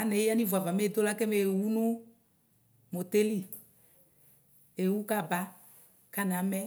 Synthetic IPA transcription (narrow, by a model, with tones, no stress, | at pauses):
a˨˦nɛ˨˦a˦ni˦va˨va˨me˦˨do˦la˦kɛ˦me˨wu˦nʊ˦ | mo˨te˦li˦ | e˨wu˦ka˦˨ba˦ | ka˦na˨˦mɛ˦